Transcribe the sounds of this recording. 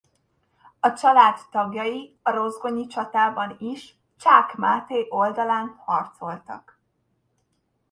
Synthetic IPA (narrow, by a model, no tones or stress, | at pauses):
ɒt͡ʃɒlaːt̪ːɒɡjɒji | ɒɾo̞zɡo̞ɲit͡ʃɒt̪aːbɒniʃ | t͡ʃaːkmaːt̪eːʔo̞ld̪ɒlaːnhɒrt̪so̞lt̪ɒ̰k